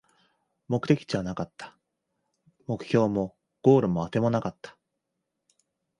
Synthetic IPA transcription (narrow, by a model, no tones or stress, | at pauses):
mo̞kɯ̟t̪e̞kʲi̥t͡ɕiβanakat̪ːḁ | mo̞kɯ̟̥çʲo̞ːmo̞ | ɡ̥o̞ːɾɯ̟mo̞at̪e̞mo̞nakat̪ːḁ